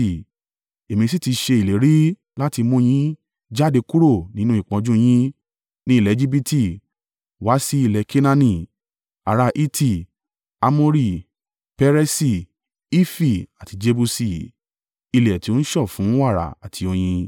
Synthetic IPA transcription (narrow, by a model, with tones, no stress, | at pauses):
e˨mĩ˧s̬i˦ti˧ʃe˧i˨le˨˦ɾi˦ | la˦ti˧mũ˦j̃ĩ˦ | d͡ʒa˦de˧ku˦ɾo˦˨nĩ˨˦nũ˦i˦˨k͡pɔ̃˨˧d͡ʒũ˦j̃ĩ˦ | nĩ˦˨lɛ˨˦d͡ʒi˦bi˦ti˦˨ | wa˨˦si˦i˦˨lɛ˧˦kʰe˦nã˧nĩ˦˨ | a˨ɾa˧ʔi˦tʰi˦˨ | a˧mõ˦ɾi˦˨ | pɛ˧ɾɛ˧˦si˧˨ | i˦fi˦˨a˨ti˨˧d͡ʒe˧bu˧si˨ | i˧lɛ˨ti˨˦o˦n̩˦ʃɔ˦˨fũ˨˦wa˦˨ɾa̰˨a˨tʰi˧o˧j̃ĩ˧